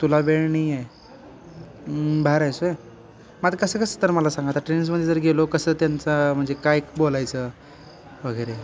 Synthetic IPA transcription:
t̪ulabeɭɳie | bʱaɾajsoe | mad̪kəsəkəsət̪əɾməlasãŋɡat̪əʈɾens̬məd̪ʱjd͡zəɾɡʱelokəsəːt̪jant͡sam̤əɳd͡zekaekbolajt͡sə | ʋ̤əɡəjɾe

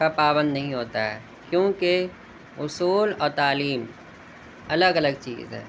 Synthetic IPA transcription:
apaːbə̃nd̪nɐɦĩɦoːt̪aɦɛ̰ː | kjõːke | ʊsuːlɔːɾt̪aːliːm | ɐləɡɐləɡ̚t͡ʃḭːzɦɛ̰ː

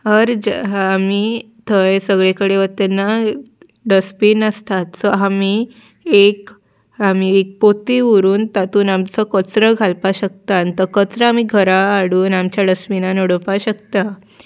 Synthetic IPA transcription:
ɦəɾd͡ʑəːmi | t̪ʰəjsəɡɭekəɽeʋət̪enːa | ɖəspiːnəst̪at̪səami | ek | amiek̚pot̪iʋəɾuːnt̪at̪uːnamt͡səkət͡sɾəɡʱalpaɕək̚t̪ant̪əkət͡sɾəamiɡʱəɾaːɽuːnamt͡ɕjaɖəspinanoɽəpaɕək̚t̪a

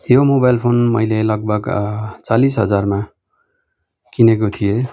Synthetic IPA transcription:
jomobajlpʰonmʌjlelʌɡ̚bʱʌɡt͡salisɦʌd͡zarma | kinekot̪ʰije

